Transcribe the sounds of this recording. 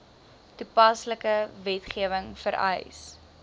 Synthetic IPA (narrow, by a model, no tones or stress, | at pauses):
tupɐsləkəvɛtχiəvəŋfəɾʔɐ̰js